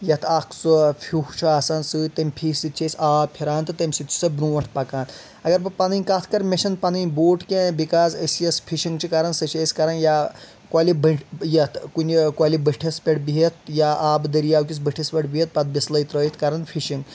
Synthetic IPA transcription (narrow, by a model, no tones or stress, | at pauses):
jɐt̪ʰakʰt͡sɔfʰʲuht͡ʃʰɐːsaːnsɨt̪emʲpʰiːsit̪ʲt͡ʃʰesʲaːpʰiɾaːnt̪ɨt̪ɐmʲsit̪ʲt͡ʃʰi̥sɐbɾuʋɐɳʈʰpɐkaːnt̪ | ɐɡɐɾpɐpɐnɨnʲkat̪ʰkɐɾmeʃɐnpɐnɨnboːʈkẽbikaːsəsjɐspʰiʃiŋɡt͡ʃʰikaɾɐnsɐt͡ʃʰesʲkɐɾɐnja | kaːlibɐʈjɐt̪ʰkunʲikwalibəʈʰispʲeʈbiɦet̪jaʔaːbd̪ɐɾijaːwkʲisbɐʈʰispʲeʈbiɦet̪̚pɐt̪̚bislɐjt̪ɾɐːjit̪ʰkɐɾɐnfʰiʃiŋɡ